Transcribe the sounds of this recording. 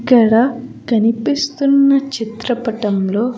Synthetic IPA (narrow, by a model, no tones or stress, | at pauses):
kːɐɽɐkɐnipist̪unːɐt͡ʃit̪ɾɐpɐʈɐmlo̞ː